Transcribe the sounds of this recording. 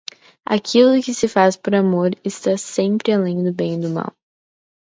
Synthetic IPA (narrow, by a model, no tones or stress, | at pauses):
a̰kʰilʊkɪsɪfaspoɾamoɾɪst̪asẽmpɾɪalẽj̃d̪ʊbẽj̃ɪd̪ʊma̰w